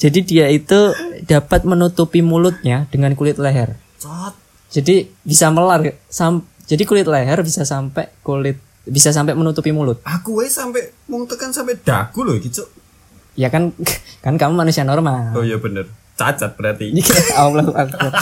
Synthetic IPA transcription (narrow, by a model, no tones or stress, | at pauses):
d͡ʒ̥adidiait̪ud̥apat̪̚mənut̪upimulʊt̪̚ɲad̥əŋankulɪt̪̚leɦɛr | t͡ʃɔt̪̚ | d͡ʒ̥adib̥isaməlarsam | d͡ʒ̥adikulɪt̪̚leɦɛrbisasampɛʔkulɪt̪̚ | bisas̬ampɛʔmənut̪upimulʊt̪̚akuwajsampɛʔmuŋut̪ukansampɛʔd̥aɡ̥uloɡit͡ʃo | jakankankamumanusianɔɾɔmaojabənər | t͡ʃat͡ʃat̪̚b̥əɾart̪ialakuʔaku